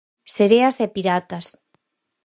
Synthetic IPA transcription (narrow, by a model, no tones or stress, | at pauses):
seɾeasepiɾat̪as